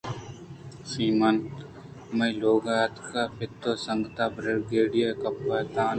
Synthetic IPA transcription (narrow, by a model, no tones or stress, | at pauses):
siːmɐn | mɐiloːɡaːɐt̪kʰaːpʰɪt̪ːoːsəŋɡt̪aːbɾɐɾɡeːɽijaːkɐpːaːt̪aːn